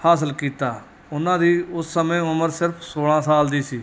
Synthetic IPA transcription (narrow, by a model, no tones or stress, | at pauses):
haːs̬əlkiːt̪aː | ʊnãːd̪iːʊsːəmẽːʊməɾsɪɾpʰsoːɽãːsaːld̪iːsiː